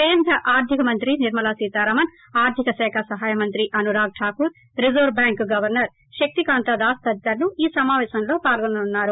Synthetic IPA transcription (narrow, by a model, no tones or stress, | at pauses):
keːnd̪ɾɐʔaːɾd̪ʱikɐmɐnt̪ɾiniɾmɐlaːsiːt̪aːɾɐmɐn | aːɾd̪ʱikɐsɛːkʰɐsɐɦaːjɐmɐnt̪ɾiʔɐnuɾaːɡ̚ʈʰaːkuːɾ | ɾizoːɾbjaːŋkɡɐʋɐɾnɐɾ | ʃɐk̚t̪ikaːnt̪ɐd̪aːst̪ɐd̪t̪ɐɾnuiːsɐmaːʋɛːʃɐmlo̞ːpaːlɡonɐnunːaːɾu